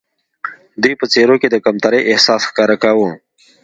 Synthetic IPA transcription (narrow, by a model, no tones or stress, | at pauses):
d̪ujpət͡seɾoked̪əkamt̪aɾəjʔɪhsɑːsxkɑɾakawu